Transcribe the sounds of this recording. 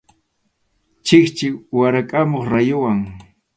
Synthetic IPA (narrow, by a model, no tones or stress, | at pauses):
t͡ʃɪkt͡ʃɪwaɾakʼamoχɾajʊwaŋ